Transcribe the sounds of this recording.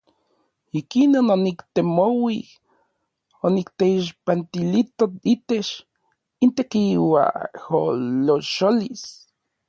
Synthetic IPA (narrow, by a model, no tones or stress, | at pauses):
ikinononikt̪emowi | onikt̪eiʃ̬pant̪ilit̪oit̪et͡ʃ | int̪ekiwa̰holoʃolis